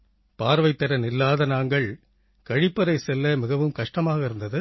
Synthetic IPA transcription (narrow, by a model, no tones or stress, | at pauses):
paːɾʋɐɪt̪ːɐɾɐnɪlːaːðɐnaːŋɡɐɭ | kɐɻɪpːɐɾɐɪsɛlːɐmɪɣɐʋɯmkɐʂʈɐmaːɣɐɪɾɯnd̪ɐðɯ